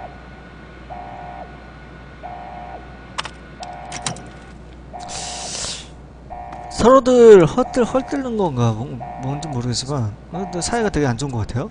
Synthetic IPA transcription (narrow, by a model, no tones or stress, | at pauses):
sʰʌɾodɯɭhʌt͈ɯɭhʌɭt͈ɯɭnɯnɡʌŋɡabmʌnt͡ɕomːoɾɯɡet͡ɕ͈imanat͡ɕʌsʰaeɡatwe̞ɡeand͡ʑonŋɡʌkatʰe̞jo